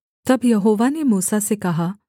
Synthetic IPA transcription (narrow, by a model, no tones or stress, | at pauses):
t̪ɐbjɐɦoːʋanemuːsasekɐɦa